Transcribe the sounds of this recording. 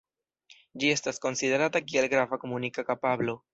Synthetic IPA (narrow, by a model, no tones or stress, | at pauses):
d͡ʒie̞stasko̞nside̞ɾatakielɡɾavako̞munikakapablo̞